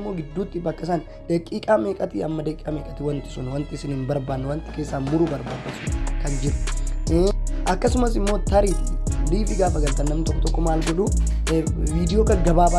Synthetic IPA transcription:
mːo̞ːɡɪd̪ːuːt̪ːɪbɐkːɐs̬an | d̪̥ekʼiːkʼaːmeːkʼɐt̪iɐmːɐd̪ekʼːaːmeːkʼɐt̪ɪwɐnt̪ɪ̥sʊnwɐnt̪ɪsɪniːnbɐɾbaːnːwɐnt̪ɪ̥ke̞ːsːaːmʊɾʊbɐɾba̰ːd̪ɐsʊkɐnd͡ʒɪɾʊ̥ | ʔɐkːɐsʊmɐsɪmːoːt̪ɐɾiːt̪ɪliːfɪɡaːfɐɡɐlt̪ːɐnːɐmnɪt̪ɔkːɔt̪ɔkːɔmaːlɡɔᶑu | viːd̪ɪjo̞ːkɐɡɐbaːba

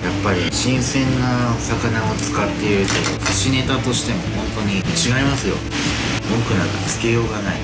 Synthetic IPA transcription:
japːaɾʲiɕĩɰ̃sẽ̞nːasakanao̞t͡sɨ̥kat̪ːe̞ɾɯt̪oo̰kaɕine̞t̪at̪o̞ɕi̥t̪e̞mo̞hõ̞nt̪o̞ɲ̟imit͡ɕiɡaimasɨjo̞̰ | mokɯ̟naɡɯt͡sɨ̥kejo̞ːɡanaḭ

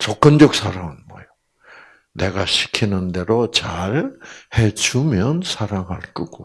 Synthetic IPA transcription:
t͡ɕʌk͈ɯnd͡ʑʌk̚sʰaɾaŋɯnmʌjo | ne̞ɡaɕʰi̥kʰinɯnde̞ɾot͡ɕaɾhe̞d͡ʑumjʌnsʰaɾaŋɦaɭk͈ɯɡ̥o

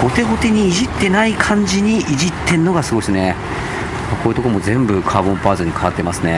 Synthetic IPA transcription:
ho̞t̪e̞ɡo̞t̪e̞ɲ̟iːʑit̪ːe̞naikʰãɲ̟d͡ʑiɲ̟iʔiʑit̪ʰːe̞ɯno̞ɡasɨɡo̞isɨne̞ | mako̞ːjɯ̟t̪o̞komo̞zẽ̞mbɯ̟kʰaːbõmpaːzɨɲ̟ːikʰaat̪ːe̞masɨne̞

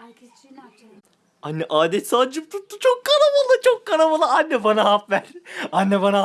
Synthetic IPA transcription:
anʲːɛʔaːd̪ɛt̪sad͡ʒɯp̚t̪ʰut̪ːut͡ʃʰokːanamalˠɯt͡ʃʰokːanamalˠɯanʲːɛbanaɦapvæɾ̥anʲːɛbana

